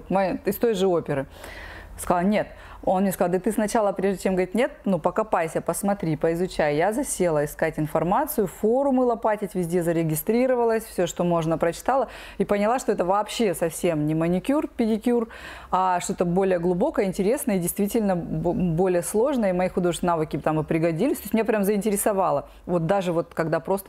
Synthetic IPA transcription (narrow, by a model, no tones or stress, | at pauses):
mɪst̪o̞jʐɨo̞pʲɪɾɨ | skɐzalˠnʲe̞t̪ | o̞nmnʲeskɐzɑlˠd̪ɨt̪ɨsnɐt͡ɕalˠəpɾʲeʐdʲɪt͡ɕemɡəvəɾʲit̪nʲet̪̚nupəkɐpajsʲəpəsmɐt̪ɾʲipəɪzʊt͡ɕæjjazɐsʲe̞lˠəɪskatʲɪnfɐrmat̪sɨjʊfo̞ɾʊmɨlˠɐpatʲɪtʲvʲɪzʲdʲezəɾʲɪɡʲɪst̪ɾʲiɾəvəlˠəsʲfsʲoʂt̪o̞mo̞ʐnəpɾət͡ɕɪ̥t̪alˠə | ipənʲɪlˠaʂt̪oɛt̪əvɐːpɕːesɐfsʲe̞mnʲɪmənʲɪkʲurpʲɪdʲɪkʲur | aʂt̪ot̪əbo̞lʲɪjəɡlˠʊbo̞kəjəɪnʲtʲɪɾʲe̞snəjəidʲɪjst̪vʲitʲɪlʲnəbbo̞lʲɪjəslˠo̞ʐnəjəimɐixʊd̪oʐsʲnavɨkʲɪt̪amɨpɾʲɪɡɐdʲilʲɪsʲt̪osʲmʲɪnʲeapɾʲamzəɪnʲtʲɪɾʲɪsɐvɑlˠə | vo̞t̪̚d̪aʐɨvo̞t̪kɐɡd̪apɾo̞st̪ə